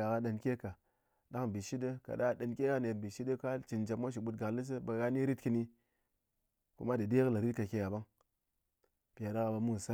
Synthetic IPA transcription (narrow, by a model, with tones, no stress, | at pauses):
a˨ka˦ɗə˧˨nkʲe˦ka˨ | da˦kbi˨ʃi˦də˦ka̰˨ɗa˦˨˦ɗə˨nkʲe˦ɡa˦ne˨bi˨ʃi˦də˦ka˦t͡ʃi˨nd͡ʒa˨m˦a˦ʃ̬i˨ɓu˧tɡa˨kli˦s̬ə˦ba˨ɣa˦ni˦ɾi˦tki˦ni˦ | ku˦ma˦dɨ˨de˦kla˨ɾi˦t̚ka˨kʲe˦ja˨ba˦ŋ | pi˨ja˨da˦ka˧ba˨˧mu˦˨sa˦